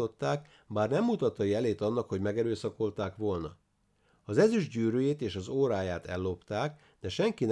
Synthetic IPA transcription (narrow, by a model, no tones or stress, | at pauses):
o̞t̪ːaːk | baːrnɛmːut̪ɒt̪ːɒjɛleːt̪ɒnːɒkho̞ɟmɛɡɛɾøːsɒko̞lt̪aːkʋo̞lnɒ | ɒzɛzyʒɟyːɾøːjeːt̪eːʃɒzoːɾaːjaːt̪ɛ̰lːo̞pt̪aːk | d̪ɛʃɛŋkin